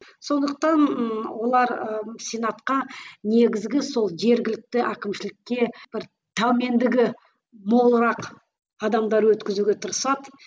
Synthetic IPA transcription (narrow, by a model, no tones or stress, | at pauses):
so̞nd̪əq̚t̪ɑnwo̞lˠɑɾsʲenɑt̪qɑne̞ɡʲɪzɡʲɪso̞lˠʒe̞ɾɡʲɪlɪk̚t̪ɪʔækʲɪmʃɪlɪkʲːe̞b̥ɪɾ | t̪ʰame̞nd̪ɪɡʲɪ | mo̞lˠəɾɑq | ɑd̪ɑmd̪ɑɾwɵt̪kʲɪzuɡʲe̞t̪ʰʊɾəsɑd̪